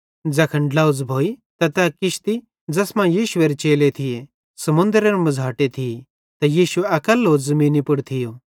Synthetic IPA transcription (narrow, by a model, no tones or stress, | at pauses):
d͡zɐkʰɐɳɖlaːʊd͡zbʱoːit̪ɐt̪ɐkɪʃt̪i | d͡zɐsmãjiːʃʊeːɾet͡ʃeːlet̪ʰɪje | sɐmʊ̃nd̪ɾeɾmɐd͡zʱaːʈet̪ʰɪe | t̪ɐjiːʃʊeɐkəlɦoːzɐmĩːnipʊɽt̪ʰɪjoː